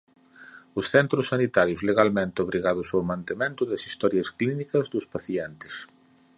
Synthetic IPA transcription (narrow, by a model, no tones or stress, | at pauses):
ʊsθɛnt̪ɾʊsːanit̪aɾjʊzleɣalmẽnt̪ɪoβɾiɣaðʊsowmãnt̪emẽnt̪ʊðɐsist̪ɔɾjɐsklinikɐzðʊspaθjɛnt̪ɪ̥s